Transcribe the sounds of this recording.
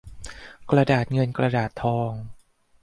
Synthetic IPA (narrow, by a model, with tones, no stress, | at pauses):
kɾa˧daː˨˩t̪̚ŋɤ˧nkɾa˧daː˨˩t̪ʰːɔː˧ŋ